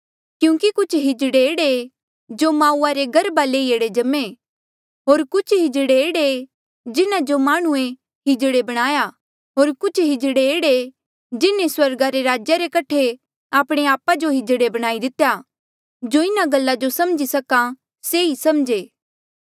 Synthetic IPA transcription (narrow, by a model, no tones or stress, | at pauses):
kjũːkikʊt͡ʃʰɦɪd͡ʒɽeeːɽe | d͡ʒomaːuːaɾeɡɐɾbaleːieɽed͡ʒɐme | ɦoːɾkʊt͡ʃʰɦɪd͡ʒɽeeːɽe | d͡ʒɪnad͡ʒomaːɽ̃ũe | ɦɪd͡ʒɽebɐɽ̃aːja | ɦoːɾkʊt͡ʃʰɦɪd͡ʒɽeeːɽe | d͡ʒɪnẽswɐɾɡaɾeɾaːd͡ʒjaɾekɐʈʰe | aːpɽ̃eaːpad͡ʒoɦɪd͡ʒɽebɐɽ̃aːid̪ɪt̪eja | d͡ʒoɪnaɡɐlːad͡ʒosɐmd͡ʒisɐka | seisɐmd͡ʒeː